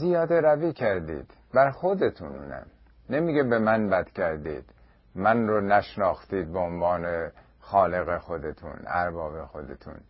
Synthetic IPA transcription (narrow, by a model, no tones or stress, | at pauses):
zijɒːd̪eɾæviːcʰæɾd̪ḭːd̪̥ | bæɾxod̪et̪ʰunṵːnæ̰m | nemiːɡebemænbæd̪̥kʰæɾd̪ḭːd̪̥ | mænronæʃnɒːxt̪iːd̪̚beonvɑːne | xɒːle̞ɣexo̞d̪et̪ʰṵnæ̰ɾbɒːbexo̞d̪ḛt̪ʰṵn